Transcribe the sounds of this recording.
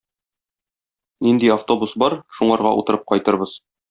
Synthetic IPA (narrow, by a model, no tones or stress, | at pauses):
nind̪iaft̪o̞busbɒɾʃuɴɑɾʁɑ̰ʔṵt̪ɤ̆ɾɤp̚qɒjt̪ɤ̆ɾbɤz̥